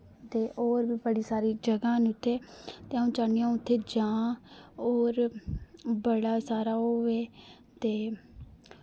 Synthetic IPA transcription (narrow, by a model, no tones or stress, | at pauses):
t̪eːʔoːɾbiːbəɽiːsaːɾiːd͡ʒəɡãːnːt̪ʰːeːt̪eːaũːt͡ʃaːɳijãːʊt̪ʰːeːd͡ʒãː | oːɾ | bəɽaːsaːɾaːɦoːʋeː | t̪eː